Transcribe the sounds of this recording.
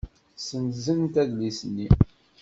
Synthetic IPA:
sənzənt̪æðlisənːi

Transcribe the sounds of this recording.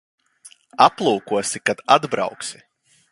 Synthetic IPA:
aplˠuːkuɔsikad̪ad̪bɾa̰wksi̥

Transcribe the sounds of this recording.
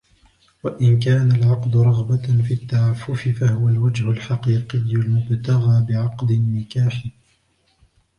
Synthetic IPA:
waʔɪnk̬aːnalʕɑqd̪ʊɾˤɑɣbafiːt̪ːaʕaːfːʊfɪfahʊwalwad͡ʒhʊlħɑqiːqɪjːʊlmʊbt̪aɣaːbɪʕɑqd̪ɪnːɪkaːħɪ

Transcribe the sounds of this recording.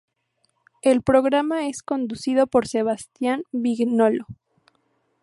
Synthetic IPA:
e̞lpɾo̞ɣɾamae̞sko̞nd̪usiðo̞po̞ɾse̞β̞ast̪janbiɣnolo

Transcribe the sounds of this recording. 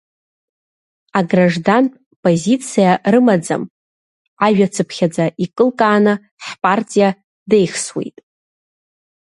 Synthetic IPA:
aɡraʐdantʼ | pʼozit͡sʰijarɨmad͡za̰m | aʒᶣat͡sʰɨpʰχʲad͡zaʔikʼɨlkʼaːnɨ | ħpʼartʼija | de̞jχswḛjtʼ

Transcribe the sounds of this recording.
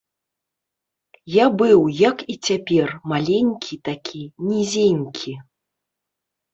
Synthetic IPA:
jabɨwjɐkit͡sʲapʲɛrmalʲenʲkʲʰit̪akʲʰinʲizʲenʲkʲʰi

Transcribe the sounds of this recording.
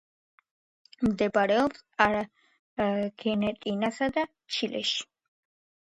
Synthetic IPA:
md̪ɛbɾɛɔpsaɾa | ɡ̥ɛnɛt̪ʼinasad̪a | t͡ʃʰilɛ̰ʃi̥

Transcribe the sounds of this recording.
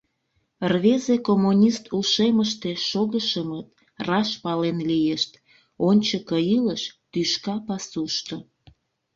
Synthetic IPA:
rβezekomunʲist̪ʰuʃeməʃt̪eʃoɣəʃəmət̪ | rɑʃpɑlenlijeʃt̪ | onʲt͡ɕəkəiləʃt̪yʃkɑpɑsuʃt̪o

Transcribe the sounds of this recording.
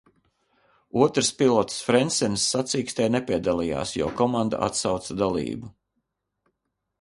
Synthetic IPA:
uɔt̪ɾspilˠɔt̪sfɾɛnsɛnsːat̪siːkst̪ɛjnepʲiɛd̪alˠija̰ːsjɔ̰ːkɔmand̪a̰a̰t̪sawt̪sad̪alˠḭːbu

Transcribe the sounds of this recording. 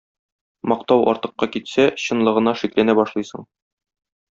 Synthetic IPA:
mɒq̚t̪ɑwʔɒ̰ɾt̪ɤ̆qːɑkit̪sæɕɤ̆nlˠɤ̆ʁɤ̆nɑʃiklænæbɒʃlˠɤjsɤɴ

